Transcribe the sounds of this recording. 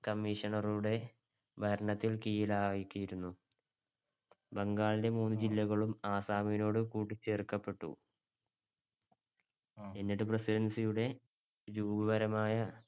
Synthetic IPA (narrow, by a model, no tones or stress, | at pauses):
kɐmːiʂɐɳɐruɽe̞ | bʱɐɾɐɳɐt̪ːilkijilaːʋɐjikʲːijiɾunːu | bɐŋɡaːɭide̞muːnːɨd͡ʑilːɐɣɐɭumaːsaːmijino̞ːɽɨkuːʈːit͡ɕːe̞ːrkːɐpːe̞ʈːṵ | enːiʈːɨpresidɐnsijuɽe̞ | ɾuːbɐʋɐɾɐmaːjɐ